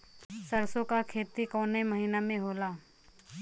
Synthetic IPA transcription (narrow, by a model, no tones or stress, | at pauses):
səɾsokakʰeːt̪ikoːneməɦiːnamẽɦoːlaː